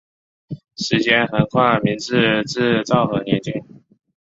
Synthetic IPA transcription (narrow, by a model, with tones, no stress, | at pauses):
ʂɻ̩˧˥t͡ɕjɛ˥nxə˨˩nkʰwa˥˩ɪmi˧˥ŋt͡sɻ̩˥˧ʈ͡ʂɻ̩˥˧t͡sɑ˥˩ʊxɤ˧˥njɛ˧˥˦nt͡ɕi˥ŋ